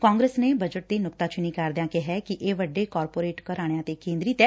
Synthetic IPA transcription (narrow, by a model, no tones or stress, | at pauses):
kãːŋɡɾeːsneːbəd͡ʒəʈ̚d̪eːnʊkt̪ãːt͡ʃʊnĩːkaːɾd̪jãːkeɦɛːkiʔeːʋəɖːeːkɔːɾpoːɾeːʈkəɾaːɽ̃jãːt̪eːkẽːnd̪ɾit̪ɛː